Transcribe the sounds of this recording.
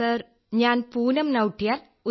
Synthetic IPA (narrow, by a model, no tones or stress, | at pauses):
ɐɾ | ɲaːnpuːnɐmnɐwʈːijaːl | u